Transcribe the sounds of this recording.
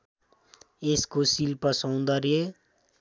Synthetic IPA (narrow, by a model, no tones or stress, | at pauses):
ɪskosilpəsãʊ̃nd̪aɾie